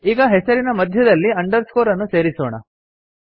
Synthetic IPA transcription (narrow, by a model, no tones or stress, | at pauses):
iːɡɐɦesɐɾinɐmɐd̪ʱjɐd̪ɐlːiɐɳɖɐɾskoːɾɐnːuseːɾisoːɳɐ̰